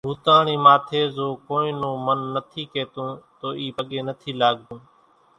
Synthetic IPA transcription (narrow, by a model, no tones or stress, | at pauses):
ɦuːt̪ãːɳiːmaːt̪ʰeːzoːkoːnĩːnõːmənːət̪ʰiːkeːt̪õːt̪oːʔiːpəɠeːnət̪ʰiːlaːɠd̪ũː